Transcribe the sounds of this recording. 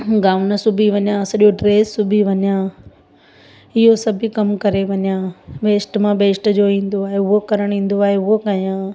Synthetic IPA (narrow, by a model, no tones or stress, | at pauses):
ɡaːʋnɐsʊbʱiʋɐɲjãsɐɗjoɖɾeːsːʊbʱiʋɐɲjãː | ɪɦosɐbʱikɐmkɐɾeʋɐɲjãːʋeːsʈmãʋeːsʈd͡ʑoĩːn̆d̪oaːɦeʊɦokɐɾəɽ̃ĩːn̆d̪oaːɦeʊɦokaijãː